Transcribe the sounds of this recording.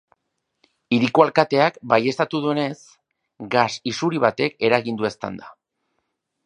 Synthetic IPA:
iɾikoalkat̪e̞akbaje̞st̪at̪uð̞ue̞ne̞s | ɡasisuɾiβ̞at̪e̞ke̞ɾaɣind̪ue̞st̪a̰nd̪a

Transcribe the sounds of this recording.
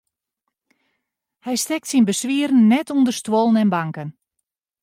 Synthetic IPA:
hɛjstɛk̚tsinbəsʋiərn̩ːɛtʰundərstwolˠən̩ɛnbaŋkən

